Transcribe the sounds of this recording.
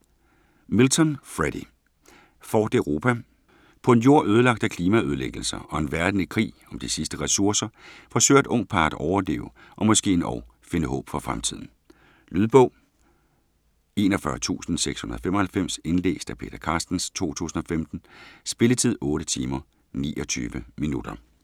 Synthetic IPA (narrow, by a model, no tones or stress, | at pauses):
milt͡sʰɒ̽nfʁeɾ̥i | fɒːd̥eʊʁo̝ːpʰæ | pʰɒ̽e̝njo̝ːɐ̰ʔøːð̞ˠəlɑ̈ɡ̥d̥ækʰliːmæøð̞ˠəleɡ̥l̩sɐɒ̽e̝nʋæɐd̥n̩ikʰʁḭː | ɒ̽md̥isisd̥əʁɛsuɐsɐfɒ̽sø̰ːd̥ɔ̽ŋ̰̥̚pʰɑ̈ːd̥ʔɒʊɐle̝̰ːʊʔɒ̽mɒ̽sɡ̥e̝̰ːenʔɒ̰ː | fe̝nəɦɔ̰̽ːb̥fɒ̽fʁamt͡sʰið̞̰ˠn̩ | lyðˠb̥ɔ̽ʊ̰ | e̝ːnɒ̽fɶɐt͡sʰṵːsn̩seɡ̥shunɐðˠɒfemɒhælfem̰se̝nle̝̰ːsd̥æpʰe̝̰ːɾ̥ɐkʰɑ̈ːsd̥n̩st͡sʰo̝̰ːt͡sʰṵːsn̩ɒ̽femd̥n̩sb̥e̝lət͡sʰið̞̰ˠɔ̽ːɾət͡sʰiːmɐ | nḭːʔɒ̽t͡sʰy̰ːʋəminud̥ɐ